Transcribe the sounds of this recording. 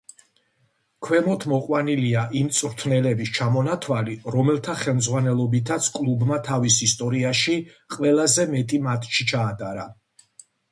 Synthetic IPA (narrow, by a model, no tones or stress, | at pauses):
kʰwɛmɔt̪ʰmɔqʼwaniliaʔimt̪sʼɾt̪ʰnɛlɛbist͡ʃʰamɔnat̪ʰwaliɾɔmɛlˠt̪ʰaχɛlˠmd̪zʁwanɛlˠɔbit̪ʰat̪sʰkʼlˠubmat̪ʰavisist̪ʼɔɾiaʃi | qʼwɛlˠazɛmɛt̪ʼimat̪ʰʼʃit͡ʃʰaːd̪ʼaɾa